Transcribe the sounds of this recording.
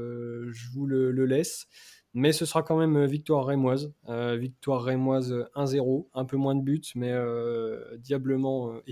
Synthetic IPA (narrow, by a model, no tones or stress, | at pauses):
ʒəvulələlɛs | mɛsəsəʁakɑ̃mɛmøvik̚t̪waʁːemwazøvik̚t̪waʁːemwazøɛ̃zeʁoɛ̃pømwɛ̃d̪əbyt̪mɛød̪jabləmɑ̃ø